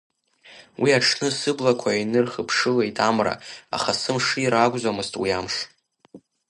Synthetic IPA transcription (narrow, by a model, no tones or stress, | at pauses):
wʔiaʈ͡ʂʰnɨsɨblakʷʰainɨrχəpʰʂɨlejtʼamra̰a̰χasɨmʂijɾaɡʷʼzʷamɨztʼwiamʂ